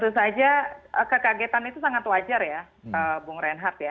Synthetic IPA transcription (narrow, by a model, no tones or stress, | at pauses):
t̪us̬ad͡ʒaəkəkaɡet̪anit̪usaŋat̪wad͡ʒarja | əbuŋɾɛnɦat̪ja